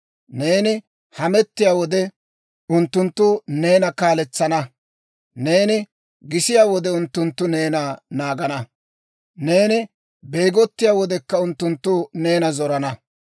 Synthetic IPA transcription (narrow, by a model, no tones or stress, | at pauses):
ne̞ːnɪ | hɐmɛt̪ːɪjaːwɔd̪ɛ | ʊnt̪ːʊnt̪ːʊne̞ːnɐkaːlɛt͡sːɐnɐ | ne̞ːnɪ | ɡɪsɪjaːwɔd̪ɛʊnt̪ːʊnt̪ːʊne̞ːnanaːɡɐnɐ | ne̞ːnɪ | bejɡɔt̪ːɪjaːwɔd̪ɛkːɐʊnt̪ːʊnt̪ːʊne̞ːnɐzɔɾɐnɐ